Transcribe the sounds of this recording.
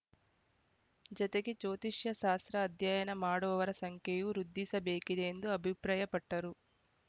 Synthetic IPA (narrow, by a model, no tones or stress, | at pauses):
d͡ʒɐt̪ɐɡit͡ʃoːt̪iʂjɐʃaːst̪ɾɐːd̪ʱjaːjɐnɐmaːɽɔːʋɐɾɐsɐŋkjejuɾud̪ːisɐbeːkid̪eːnd̪uɐbʱipɾaːjɐpɐʈːɐɾu